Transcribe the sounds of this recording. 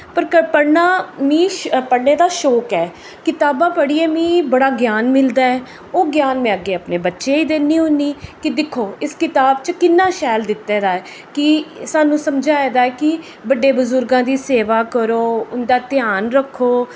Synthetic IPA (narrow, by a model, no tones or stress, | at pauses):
pəɾkəpəɽnaːmĩːpəɽneːd̪aːʃoːkɛː | kɪt̪aːbãːpəɽiːɛːmĩːbəɽaːɡjaːnmɪld̪aːɛː | oːɡjaːnmɛ̃ːəɡeːəpneːbətːʃeːiːd̪eːniːɦʊ̃nd̪iːkɪd̪ɪkʰːoːɪskɪt̪aːbt͡ʃəkɪnːãːʃɛːld̪ɪt̪ːeːɾaːɛː | kɪsaːnũːsəmd͡ʒaːɛːd̪aːɛːkɪ | bəɖːeːbʊzʊɾɡãːd̪iːseːʋaːkəɾoːʊnd̪aːt̪ɪjaːnɾəkʰːoː